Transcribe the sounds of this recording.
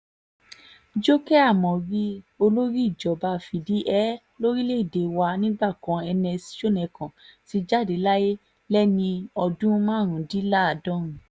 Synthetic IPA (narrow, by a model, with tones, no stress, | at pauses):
d͡ʒo˦kɛ˦a˦˨mɔ̃˨ɾi˦o˧lo˦ɾi˦i˦˨d͡ʒɔ˨ba˧fi˨di˨˦ʔɛ˦ | lo˦ɾi˦le˦i˦˨de˨wa˧nĩ˦ɡ͡ba˦˨kã˨˦ɛ˧nɛ̃˧si̥˨˦ʃo˦˨nɛ̃˨kã˨ti˧d͡ʒa˦˨de˨˦la˦je˦ | lɛ˦nĩ˧ɔ˧dũ˦mãː˦˨ɾ̃ũ˨di˨˦la˦a˨dɔ̃˦ɾ̃ũ˨